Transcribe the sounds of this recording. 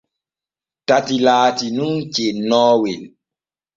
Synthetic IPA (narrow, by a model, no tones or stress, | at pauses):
tatilaːtinunt͡ʃenɔːwen